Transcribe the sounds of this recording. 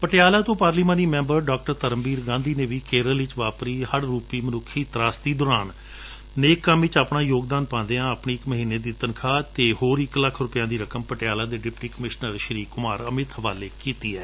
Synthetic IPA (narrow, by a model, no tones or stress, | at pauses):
pəʈɪjaːlaːt̪õːpaːɾliːmãːniːmɛ̃ːmbəɾɖaːk̚ʈəɾt̪əɾəmbiːɾɡãːnd̪iːneːʋiːkeːɾəlʋɪt͡ʃʋaːpɾiːhəɽɾuːpiːmənʊkʰːiːt̪ɾaːsd̪iːd̪ɔːɾaːn | neːkːãːmɪt͡ʃaːpɳaːjoːɡd̪aːnpãːnd̪eãːəpɳiːɪkməɦiːneːd̪iːt̪ənkʰaːt̪eːɦoːɾɪkləkʰːɾʊpjãːd̪iːɾəkəmpəʈɪjaːlaːd̪eːɖɪpʈiːkəmɪʃnəɾʃəɾiːkːʊmaːɾəmɪt̪ɦəʋaːleːkiːt̪iːɛː